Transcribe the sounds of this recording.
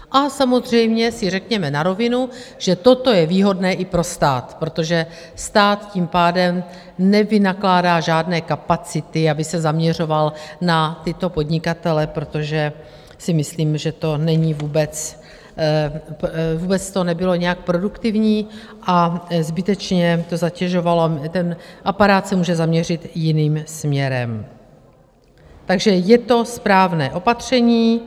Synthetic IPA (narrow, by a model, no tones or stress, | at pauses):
ʔasamo̞zr̝ɛjmɲɛsɪrɛkɲɛmɛnaɾo̞vɪnuʒ̥ɛt̪o̞t̪o̞jɛviːɦo̞dnɛːʔɪpɾo̞st̪aːt̪pɾo̞t̪o̞ʒɛ | st̪aːt̪cimpaːdɛm | nɛvɪnaklaːdaːʒaːdnɛːkapat͡sɪt̪ɪabɪsɛzamɲɛr̝o̞valnat̪ɪt̪o̞po̞dɲɪkat̪ɛlɛpɾo̞t̪o̞ʒɛ | sɪmɪsliːmʒɛt̪o̞nɛɲɪvuːbɛt͡s | vuːbɛt͡st̪o̞nɛbɪlo̞ɲɛjak̚pɾo̞dukt̪ɪvɲiː | ʔazbɪt̪ɛt͡ʃɲɛt̪o̞zacɛʒovalot̪ɛnʔapaɾaːt̪sɛmuːʒɛzamɲɛr̝ɪt̪jɪniːmsmɲɛɾɛm | t̪aɡʒɛjɛt̪o̞spɾaːvnɛːʔo̞pat̪r̝̥ɛɲiː